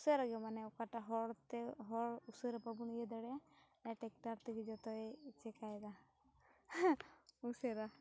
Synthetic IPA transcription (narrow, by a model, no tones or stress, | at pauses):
useɾaɡɔmanɛɔkaʈaɦɔɽt̪ɛɦɔɾusɔɾapabunijɛd̪ɔɽɛa | aʈɛk̚taɾt̪ɛɡid͡ʒɔt̪ɔt͡ʃɛkajd̪a | useɾa